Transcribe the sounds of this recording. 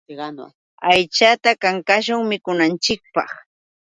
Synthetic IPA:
ajt͡ʃat̪akaŋkaʃʊŋmɪkʊnant͡ʃɪk̚pɑχ

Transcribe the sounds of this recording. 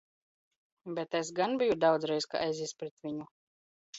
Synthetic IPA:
bʲɛt̪ɛs̬ɡanbʲijud̪awd̪zɾɛjska̰ʔajzispɾɛt̪vʲiɲu

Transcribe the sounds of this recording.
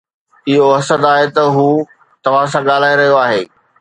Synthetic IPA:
ɪɦoɐsəd̪aːɦet̪ɐɦuː | t̪ɐʋ̤ãsãɠaːl̤aːeɾɐɦijoaːɦeː

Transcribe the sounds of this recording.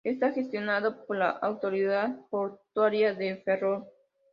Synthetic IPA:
est̪axest̪jonaðopoɾla̰ʔawt̪oɾiðaðpoɾt̪waɾjaðeferoɾ

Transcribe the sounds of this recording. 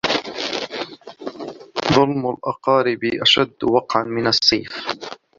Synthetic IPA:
ðˤʊlmʊlʔɑqɑːɾɪbiʔaʃad̪ːwɑqʕanmɪnɑsˤːiːf

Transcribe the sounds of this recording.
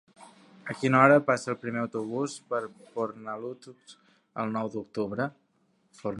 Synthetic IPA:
əkinɔɾəpasəːlˠpɾimeəwt̪uβ̞uspəɾpoɾnalut̪u | ə̰lˠnɔwd̪uk̚t̪uβɾə | foɾ

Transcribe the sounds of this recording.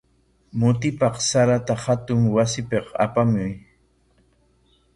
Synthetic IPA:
mʊt̪̬ɪpɑqsaɾat̪ahat̪ʊŋwasɪpeqa̰pamʊj

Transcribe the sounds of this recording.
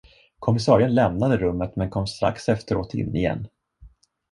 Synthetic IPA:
kʰɔmɪsɑːɾɪənlɛmnad̪əɾɵmːət̪mɛnkʰɔmːst̪ɾa̰ksɛft̪əɾo̰ːt̪ɪ̰nːɪjɛ̰nː

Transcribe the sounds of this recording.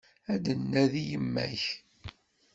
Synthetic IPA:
æd̪ənːæðijəmːæ̰ç

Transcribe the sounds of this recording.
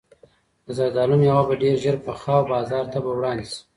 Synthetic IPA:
d̪əzad̪ɑlunjawabaɖeɾʒəɾpəxɑwbɑzɑːɾt̪abawɽɑnd̪isi̥

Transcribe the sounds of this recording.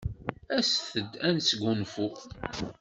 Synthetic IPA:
æsθəd̪ænsɡunfu

